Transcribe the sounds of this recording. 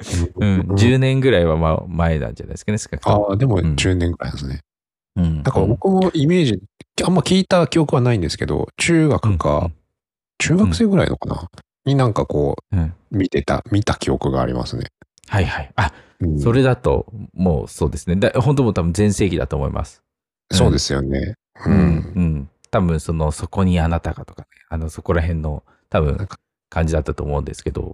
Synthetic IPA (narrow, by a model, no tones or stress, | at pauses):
ɯ̟̃ɴd͡ʑɨːnẽ̞ŋɡɯ̟ɾaiβama̰mae̞nã̰ɲ̟d͡ʑana̰j̪eskane̞sɨ̥ɡakɯ̥ad̪e̞mo̞ɯ̃d͡ʑɨːnẽ̞ŋɡɯɾa̰inasɨne | ɯ̃ɴd̪akaɾabo̞kɯ̟mo̞ime̞ːʑiamːakʲiːt̪akʲio̞kɯ̟βanaĩnd̪e̞sɨ̥ke̞̰d̪o̞̰t͡ɕɨːɡakɯ̟ɡa̰ | t͡ɕɨːɡakɯ̟seːɡɯ̟ɾa̰ḭnokana̰ | ɲ̟inãŋkako̞̰ːɯ̟̃ɴmʲit̪e̞t̪a̰mʲit̪akʲio̞kɯ̟ɡa̰ːɾʲḭma̰sɨnḛ | haihaia | ɯ̃so̞ɾe̞d̪at̪o̞̰mo̞̰ːso̞ːd̪e̞sɨned̪aho̞nt̪o̞mot̪abɯ̟̃nzẽ̞ɰ̃se̞ːɡʲid̪a̰t̪o̞ːmo̞ḭmʔa̰sɨ̥ | so̞ːd̪e̞sɨjo̞nḛ | ɯɯ̃ɯ̟̃ɴ | t̪abɯ̟̃ɰ̃so̞no̞so̞ko̞ɲ̟ianat̪aɡat̪o̞̥kaneano̞so̞ko̞ɾaɦẽ̞nːo̞ | t̪abɯ̟̃ | kãɲ̟d͡ʑid̪at̪ːat̪o̞ːmo̞ɯ̃nd̪e̞sɨ̥ke̞d̪o̞̰